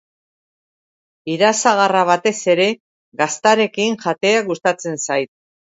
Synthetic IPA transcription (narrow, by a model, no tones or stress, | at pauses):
iðasaɣaraβ̞at̪e̞se̞ɾe̞ | ɣast̪aɾe̞kiŋʝat̪e̞aɣust̪at͡se̞nsajt̪̚